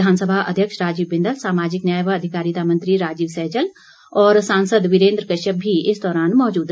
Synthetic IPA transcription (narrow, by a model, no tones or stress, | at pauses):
aːnsəbʱaʔɐ̰d̪ʱjəkʃɾaːd͡ʒiːɪ̃nd̪əlsaːmaːd͡ʒɪknjaːjʋːd̪ʱɪkaːɾit̪amɐ̃nt̪ɾiɾaːd͡ʒiːʋsɛːd͡ʒəl | ɔːɾsãːnsəd̪ʋɪɾẽːnd̪ɾəkəʃəbʱiɪsd̪ɔːɾaːnmɔːd͡ʒuːd̪